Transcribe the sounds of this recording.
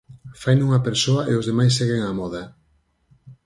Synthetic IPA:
fajnuŋɐpeɾsoɐeozðemajsːeɣeŋamɔðɐ

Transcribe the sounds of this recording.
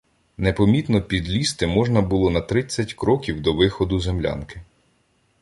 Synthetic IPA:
nepɔmʲit̪nɔpʲid̪lʲist̪ɪmɔʒnɐbʊlˠɔnɐt̪ɾɪt͡sʲːɐtʲkɾɔkʲiwd̪ɔʋɪxɔd̪ʊzemlʲa̰nkɪ

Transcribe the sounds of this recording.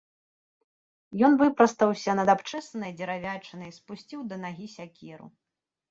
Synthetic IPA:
jɔnvɨpɾɐst̪ɐwsʲɐnɐd̪apt͡ʂɛsɐnɐjd͡zʲɛɾavʲat͡ʂɐnɐjspusʲt͡sʲiwd̪ɐnaɣʲisʲakʲiɾṵ

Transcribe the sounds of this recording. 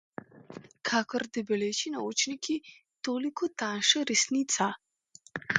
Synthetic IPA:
kʰakɔɾd̪ibɛlet͡ʃinaut͡ʃnikʰi | t̪oːlikʰɔt̪aʃəɾɛsnit̪sa

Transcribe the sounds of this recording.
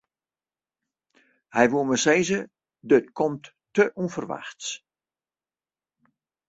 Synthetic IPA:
hɛjʋuəməseːzə | dət̚kʰɔmtː | əʔufərʋa̰xts

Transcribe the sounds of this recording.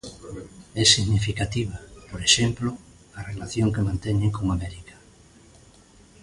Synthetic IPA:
ɛsiɣnifikat̪iβ̞apoɾeʃɛmplo | arelaθjoŋkemãnt̪ɛɲeŋkoŋamɛɾikḁ

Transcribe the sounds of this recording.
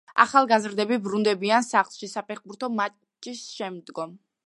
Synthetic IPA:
a̰χalˠɡazɾd̪ɛbibɾund̪ɛbiansaχlˠʃisapʰɛχbuɾt̪ʰɔma | t͡ʃʼisʃɛmd̪ɡɔm

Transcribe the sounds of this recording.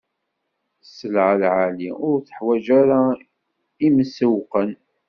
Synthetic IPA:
səlʕəlʕaliʊɾθə̥ħwæd͡ʒaɾa | iməsəwqən

